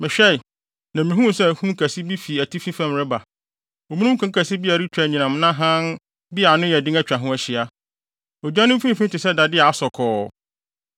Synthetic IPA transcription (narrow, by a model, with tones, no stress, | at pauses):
mɪ̃˨ɕᶣɛ˦˨ | nã˨mĩ˨ɦũ˦˨sɛ˦˨hũ˦kʰæ˨si˦bi˦fi˨æ˨tʰi˦fĩ˦fã˦m˨ɾɪ˦ba˨ | ɔ˨mĩ˦nũ˦kʰã˦ŋ˦kʰæ˨si˦bi˦a˨ɾi˦t͡ɕᶣa˨ɲĩ˨nã˨m˦nã˦ɦã˦n | bɪ˦a˨nʊ̃˦jɛ˨dɪ̃˦ŋæ˦t͡ɕᶣa˨ɦʊ̃˦æ˨ɕɪ˨a˨ | ɔ˨d͡ʑᶣã˦nʊ̃˦m˦fĩ˦fĩ˦tɪ˨sɛ˦da˨dɪ˦a˨a˦sɔ˨kʰɔː˨